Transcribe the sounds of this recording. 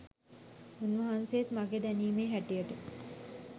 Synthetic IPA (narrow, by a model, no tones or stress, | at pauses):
unʋɐɦanseːt̪maɡed̪æniːmeːɦæʈijəʈə